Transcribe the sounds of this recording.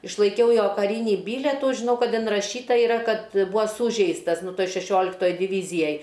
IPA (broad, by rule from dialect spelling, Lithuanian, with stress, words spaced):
ɪʃlˠɐɪˈkʲɛʊ ˈjoː kɐˈrʲiːnʲiː ˈbʲiːlʲɛtuː ʒʲɪˈnɐʊ ˈkɐt ɪnrɐˈʃʲiːtɐ iːˈrɐ ˈkɐt ˈbuːɐ ˈsuːʒʲɛɪstɐs ˈnʊ ˈtoːj ʃʲɛˈʃʲoːlʲɪktoːj dʲɪˈʋʲiːzʲɪjɛj